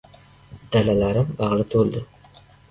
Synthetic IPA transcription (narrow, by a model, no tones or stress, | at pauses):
d̪̥alalaɾɪmbɑʁlˠɪt̪ʰold̪ɪ